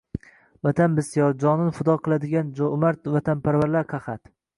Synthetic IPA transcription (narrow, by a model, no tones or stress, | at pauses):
vat̪ʰanbɪsijɒɾd͡ʒɒnɪnfʊd̪ɒqʰɨlˠad̪ɪɡʲand͡ʒmaɾt̪vat̪ʰanpʰaɾvaɾlaɾqʰɑχat̪